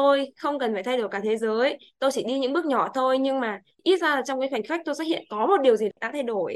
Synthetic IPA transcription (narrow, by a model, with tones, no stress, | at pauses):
t̪o˧jxə˧wŋ͡mkə˨˩nfaː˧˩t̪ʰa˧jɗo˧˩jkaː˧˩t̪ʰe˨˦zəː˨˦jt̪o˧jt͡ɕi˧˩ɗi˧ɲɨ̰˧˥ŋɓɨ˦˥k̚ɲɔ˧˩t̪ʰo˧jɲɨ˧ŋmaː˨˩ | ʔi˦˥t̚zaː˧laː˨˩t͡ɕwŋ͡mkaː˨˦jxwa˨˩ŋ̟xa˦˥k̟̚t̪o˧jsaː˦˥hḭ˧˨ənkɔ˨˦mo˨˩t̚ɗi˨˩əwzi˨˩ɗaː˨˩ɗa̰ː˧˥t̪ʰa˧jɗo˧˩j